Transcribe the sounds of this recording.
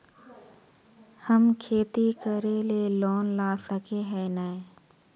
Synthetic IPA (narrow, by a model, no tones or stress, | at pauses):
həmkʰeːt̪ikəɾeleloːnlaːsəkʰeɦɛːnəe